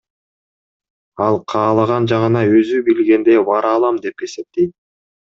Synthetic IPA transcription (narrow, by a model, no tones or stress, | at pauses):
ɑlˠqʰɑːlˠɑʁɑnd͡ʒɑʁɯnɑø̞zybilɡe̞nd̪eβɑɾɑlˠɑmd̪e̞p̚ɡe̞se̞p̚t̪ejt̪̚